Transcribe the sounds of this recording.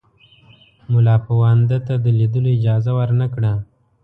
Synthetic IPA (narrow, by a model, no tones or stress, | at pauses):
mʊlɑpawand̪at̪ad̪əlid̪əloɪd͡ʒɑzawəɾnakɽa